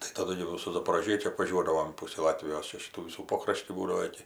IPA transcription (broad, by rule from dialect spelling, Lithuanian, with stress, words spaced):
tɐɪ tɐˈdʊ ɡʲɪ jɛʊ sʊ zɐpoːroːˈʒʲiɛt͡ʃʲʊ ɐpʋɐˈʒʲuɔdɐʋoːm ˈpʊsʲiː ˈlˠɑːtʲʋʲɪjoːs ˈt͡ʃʲæːˈʃʲiːtuː ˈʋʲiːsuː ˈpoːkrɐʃʲtʲiː ˈbuːdɐʋoː ˈɪkʲɪ